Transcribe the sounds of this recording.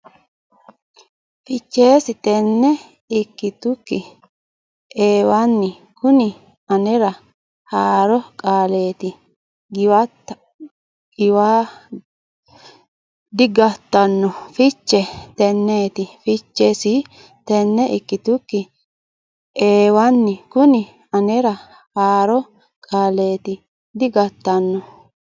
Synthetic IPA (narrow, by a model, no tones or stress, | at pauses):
fɪt͡ʃːe̞ːsɪt̪ɛnːɛ | ɪkːɪt̪ʊkːɪ | ʔeːwanːɪ | kʊnɪ | ɐnɛɾɐ | haːɾɔkʼaːle̞ːt̪ɪ | ɡɪwɐ | ɡ̥ɪwaː | d̪ɪɡɐt̪ːɐnːɔfɪt͡ʃːɛt̪ɛnːeːt̪ɪfɪt͡ʃːɛsɪ | t̪ɛnːɛɪkːɪt̪ʊkːɪ | eːwɐnːɪkʊnɪ | ɐnɛɾɐ | haːɾɔ | kʼaːle̞ːt̪ɪ | d̪ɪɡɐt̪ːɐnːɔ